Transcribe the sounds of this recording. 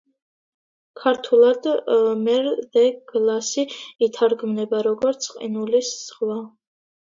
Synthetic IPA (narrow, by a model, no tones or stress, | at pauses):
kʰaɾt̪ʰulˠad̪mɛɾd̪ɛɡ̥lasiːt̪ʰaɾɡmnɛbaɾɔɡɔɾt̪sʰqʼḭnulisz̥χwa